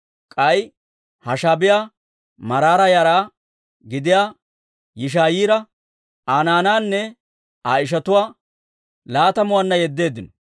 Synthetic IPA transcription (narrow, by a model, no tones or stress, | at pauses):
kʼɐj | hɐʃaːbɪjaː | mɐɾaːɾɐjɐɾaː | ɡɪd̪ɪjaː | jɪʃ̬aːjiːɾɐ | aːnaːnaːnːɛ | aːɪʃ̬ɐt̪ʊwaː | laːt̪ɐmʊwanːɐjɛd̪ːe̞ːd̪ːɪnɔ